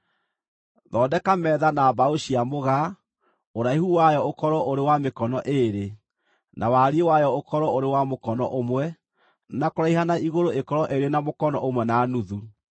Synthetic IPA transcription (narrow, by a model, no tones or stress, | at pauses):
ðɔːdɛkamɛːðanabaoʃiamoɣa | oɾaihuwajɔokɔɾɔʔoɾewamekɔnɔʔeɾe | nʔawaɾiewajɔokɔɾɔoɾewamokɔnɔ̰ʔomwɛ | nakoɾaiɦanaiɣoɾoekɔɾɔʔeɾenamokɔnɔʔomwɛnanuðu